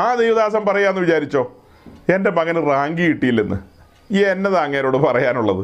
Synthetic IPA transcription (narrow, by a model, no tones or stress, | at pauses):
aːd̪ejʋɐðaːs̬ɐmpɐrɐjːaːnnːɨʋit͡ɕaːɾit͡ɕːo̞ː | e̞nde̞mɐɣɐnɨraːŋɡijiʈːijilːenːɨ̰ | enːɐðaŋːɐːɾo̞ːɽɨpɐrɐjaːnuɭːɐðɨ